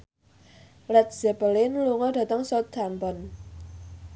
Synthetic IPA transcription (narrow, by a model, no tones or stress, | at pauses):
lɛt̪̚z̥ɛpəlɪnluŋɔd̥ä̤t̪əŋsɔt̪̚ampɔn